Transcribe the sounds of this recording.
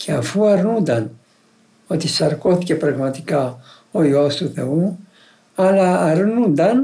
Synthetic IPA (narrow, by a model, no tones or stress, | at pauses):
cʰeɐfuɐɾnund̪ɐn | ot̪isɐɾkoθicepɾɐɣmɐt̪ika | ojost̪uθeu | ɐlɐːɾnund̪ɐn